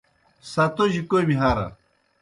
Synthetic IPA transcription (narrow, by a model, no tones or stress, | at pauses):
sɐt̪oʑikomiɦaɾɐ̰